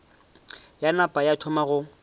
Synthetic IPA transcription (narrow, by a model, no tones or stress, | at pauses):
janapʼajatʰʊmaɣʊ